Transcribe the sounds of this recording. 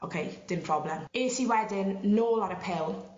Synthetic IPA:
ʔokʰejd̥ɪmpʰɹ̥ɔblɛmeːsiwɛdɪnːoːlaɾəpʰɪlˠ

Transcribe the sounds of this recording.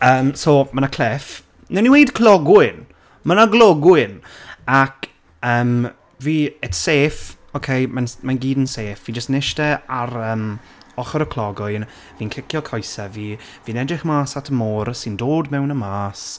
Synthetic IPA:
əːmsomanakʰlɛf | nɛniwejdkʰlˠɔɡwɪn | manaɡlˠɔɡwɪnak | əːm | viːɛtʰseːf | okʰejmanmanɡiːdənseːfvid͡ʒəstnɪʃtɛaɾəːm | ɔχɔɾəkʰlˠɔɡʊjn | viːnkʰɪkʰjɔkʰɔjsaviː | viːnɛdrɪχmaːsatʰəmoːrsɪndoːdmɛwnəmaːs

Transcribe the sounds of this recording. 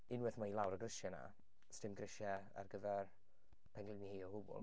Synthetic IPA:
ɪnwɪθmailˠawɾəɡrɪʃjana̰ | stɪmɡrɪʃja | a̰rɡəvɛr | pʰɛnɡlɪnihejɔbʊbʊ̰lˠ

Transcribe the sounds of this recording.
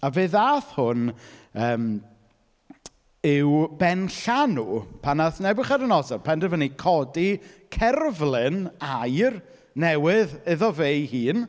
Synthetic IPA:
aveːðaːθhʊnəːm | ɪwbɛnɬanupʰanaθnɛbɨχadənɔdɔpʰandəvənikʰɔdikʰɛrvlˠɪnajr | nɛwɪðɪðɔvejhiːn

